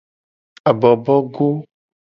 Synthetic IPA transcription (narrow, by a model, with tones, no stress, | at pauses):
a˨bɔ˨bɔ˦ɡo˦